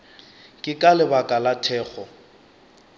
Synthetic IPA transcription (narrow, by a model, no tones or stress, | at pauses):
kʼɪkʼalɪbakʼalatʰɛːk͡xɔ